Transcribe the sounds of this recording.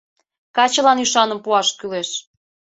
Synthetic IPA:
kɑt͡ɕə̆lɑnyʃɑnəmpuɑʃkyleʃ

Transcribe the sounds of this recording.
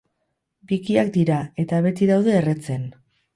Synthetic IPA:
bikiak̚d̪iɾae̞t̪aβe̞t̪iðawðe̞ːre̞t͡se̞n

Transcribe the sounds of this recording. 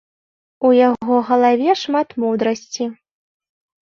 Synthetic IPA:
ujaɣɣɔɣɐlˠavʲɛʂmat̪mud̪ɾɐsʲt͡sʲi

